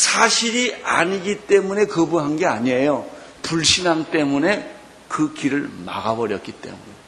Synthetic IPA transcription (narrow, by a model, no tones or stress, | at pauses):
sʰaɕʰiɾia̰ɲiɡit͈e̞mune̞kɯbuɦanɡe̞aɲiejo | puɭɕʰinaŋt͈e̞mune̞ | kɯkiɾɯɭma̰ɡabʌɾjʌt̚k͈it͈e̞̰mune